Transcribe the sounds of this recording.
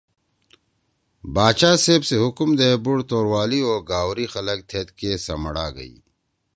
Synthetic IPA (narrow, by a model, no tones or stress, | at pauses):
baːt͡ɕaːseːbseɦʊkmd̪ɐebuɽt̪oːɾwaːlioːɾɡaːwɾixɐlək̚t̪ʰeːt̪kesɐ̰məɽaːɡɐ̰ḭː